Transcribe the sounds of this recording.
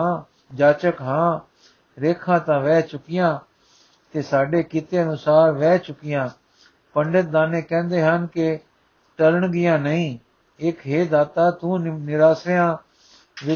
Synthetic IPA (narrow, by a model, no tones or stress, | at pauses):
a | d͡ʒaːt͡ʃəkɦãː | ɾeːkʰãːt̪ãːʋɛːt͡ʃʊkɪjãː | t̪eːsaːɖeːkit̪eːənʊsaːɾʋɛːt͡ʃʊkɪjãː | pəɳɖət̪̚d̪aːnẽːkɛ̃ːnd̪eːɦənkɪ | ʈəɾəɳɡɪjãːnəĩː | ɪkɦeːd̪aːt̪aːt̪ũːnɪɾaːsejãː | ʋɪ